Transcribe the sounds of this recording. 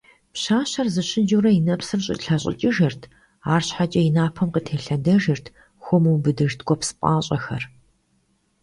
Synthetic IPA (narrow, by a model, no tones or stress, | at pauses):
pɕaːɕɐrzɨɕɪnd͡ʒuɾɐjinɐpsɨrɕʼɪ̰ɬaɕʼɪ̰t͡ʃʼɪʒɐrtʰ | aːrɕħat͡ʃʼɐjɪnaːpʰɐmqətʰeːɬɐdɐʒɪrtʰ | xʷɔmuːbɨdɨʒtʰɡʷɔpsɨ̥pʼaːɕʼɐxɐr